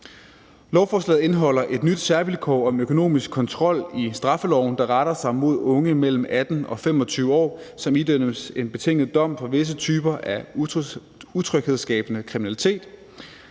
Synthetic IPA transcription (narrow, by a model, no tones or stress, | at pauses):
lɒʊfɒːslɛ̰ːð̩ˠe̝nɦɒ̽l̰ɐʔe̝d̥nyd̥sæɐʋilkʰɒ̰ɒ̽møkʰo̝no̝̰ːmisɡ̥̚kʰɒ̽nt͡sʰʁɒ̽l̰isd̥ʁɑ̈fəlɒʊ̰nd̥ɑ̈ʁɑɾ̥ɐsɑ̈ɪmo̝ð̞̰ˠɔ̽ŋəmel̰m̩æd̥n̩ɒ̽fem̰ɒ̽t͡sʰyːʊəɒ̰ː | sɒ̽mid̥ø̰əse̝nb̥e̝t͡sʰe̝ŋ̰ð̩ˠd̥ɒ̽m̰fɒʋe̝s̬ət͡sʰyːb̥ɐʔæ | ut͡sʰʁœɡ̥heð̞̰ˠsɡ̥ɛ̰ːb̥ənəkʰʁiminælit͡sʰe̝̰ːd̥